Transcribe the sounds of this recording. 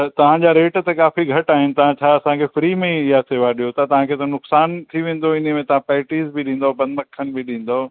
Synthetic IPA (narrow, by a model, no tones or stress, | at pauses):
t̪ɐʋ̤ãd͡ʑaːɾeːʈt̪ekaːfiɡʱɐʈaːɦɪnɪ̆t̪ɐʋ̤ãt͡ɕʰaːɐsãkʰeːfɾiːmẽɪɦaseːʋaɗijot̪at̪ɐʋ̤ãkʰeːt̪ɐnʊksaːnt̪ʰiʋẽːn̆d̪oɪn̤əmẽt̪ɐʋ̤ãpɛːʈiːzbɪɗĩːn̆d̪aobɐnmɐkʰənɪ̆bʱɪɗĩːn̆d̪ao